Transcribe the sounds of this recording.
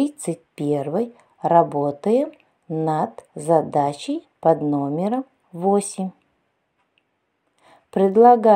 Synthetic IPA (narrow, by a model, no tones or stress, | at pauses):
it̪sɨt̚ʲpʲe̞rvɨj | rɐbot̪əjə | nad̪zɐd̪at͡ɕɪjpɐd̪nomʲɪɾəm | vosʲɪmʲ | pɾʲɪd̪lˠɐɡa